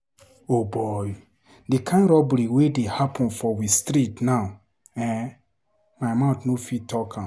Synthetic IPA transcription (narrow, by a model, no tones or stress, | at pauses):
obɔj | dikʰãnɾɔbliwedehapʰɔ̃nfɔwistɾitna | ɛ̃ | maɪmaʊtnofitʰɔkʰã